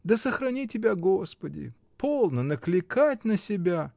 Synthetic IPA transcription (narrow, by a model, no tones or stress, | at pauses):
d̪əsəxɾɐnʲitʲɪbʲaɡospədʲɪ̰ | pʰolˠnənəklʲɪkatʲnəsʲɪbʲa